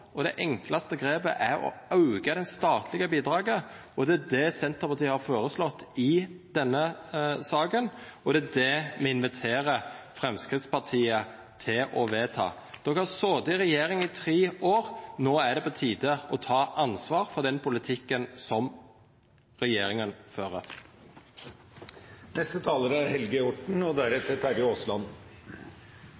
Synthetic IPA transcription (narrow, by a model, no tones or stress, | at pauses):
ɔd̪ɛ̰ʔɛŋklɑst̪əɡɾeːpə̰ʔæɾɔ̰ɑʉɡəd̪ɛnst̪ɑːt̪ʰlɪɡəbiːd̪ɾɑːɡə | ɔd̪ɛæd̪ɛsɛnt̪əɾpɑɾt̪iːəhɑɾfoːɾəslɔt̪ːɪd̪̥ɛnːəsɑːkənɔd̪ɛæd̪ɛmɛɪnʋɪt̪ʰeːɾəfɾɛmskɾɪt̪spɑʈ̪ʰiːə | t̪ʰɪlʔɔʋeːt̪ʰɑ̰ː | d̪̥ɔkhæsoːd̪ɪɾɛjeːɾɪŋɪt̪ʰɾeːoːɾnoːæɖ̪ɛpɔt̪ʰiːd̪əɔt̪ʰɑːʔɑnsʋɑːɾfɔʁd̪ɛnpʰʊlɪt̪ʰɪkːənsɔm | ʁɛjeːɾɪŋənføːɾə̰ɾ | nɛst̪ət̪ʰɑːləɾæɾhɛlɡəɔʈɳ̩ɔd̪æɾɛt̪ːət̪ʰæɾɪoːslɑn